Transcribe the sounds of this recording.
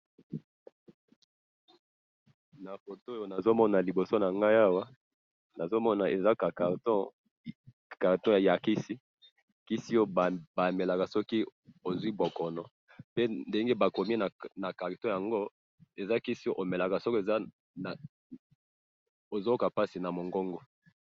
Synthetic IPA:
na˨fo˨to˦jo˨na˨zo˦mɔ˦na˨li˨bo˨so˦na˨ŋɡa˦ja˦wa˦ | na˨zo˦mɔ˦na˨e˨za˦ka˨ka˨tɔ˦ | ka˨ʁtɔ̃˦ja˨ja˨ki˦si˦ | ki˦si˦o˦˨ba˨me˨la˨ka˨sɔ˦ki˦o˨zwi˦bo˨kɔ˨nɔ˨ | pe˦nde˦ŋɡe˦ba˨ko˨mi˦na˨na˨ka˨ʁi˨tɔ̃˦ja˨ŋɡo˦ | e˨za˦ki˦si˦o˦ʔo˨me˨la˨ka˨sɔ˦ke˨a˦˨ | o˨zo˦o˦ka˨pa˦si˨na˨mo˨ŋɡo˦ŋɡo˦

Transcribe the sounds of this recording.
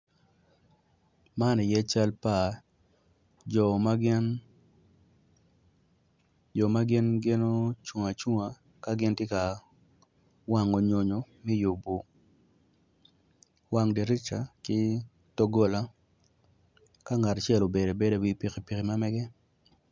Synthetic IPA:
ma˦ni˨jɛ˦t͡ʃa˦lpa˨ | d͡ʒɔ˨ma˦ɡɪ˦n | d͡ʒɔ˨ma˦ɡɪ˦nɡɪ˦no˦t͡ʃu˨ŋa˨t͡ʃu˦ŋa˨ | ka˦ɡɪ˦ntjɛ˦ka˨ | wa˦ŋo˨ɲo˨ɲo˨mɛ˦ju˨bu˨ | wa˦ŋdi˨ɾɪ˦t͡ʃa˨kɪ˦ | to˦ɡo˦la˦ | ka˦ŋa˨ta˨t͡ʃɛ˦lo˨be˨do˨be˦do˦wi˦pi˨ki˨pi˨ki˨ma˦mɛ˦ɡɛ˦

